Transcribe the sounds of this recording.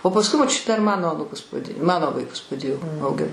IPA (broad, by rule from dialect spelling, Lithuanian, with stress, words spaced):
oː pɐsˈkʊɪ moːˈt͡ʃʲʊ dɐr ˈmɑːnoː ɐˈnuːkʊs ˈmɑːnoː ʋɐɪˈkʊs pɐˈdʲeːjoː ɐʊˈɡʲɪn